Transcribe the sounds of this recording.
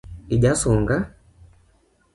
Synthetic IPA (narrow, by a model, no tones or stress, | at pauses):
iɟasɔŋɡa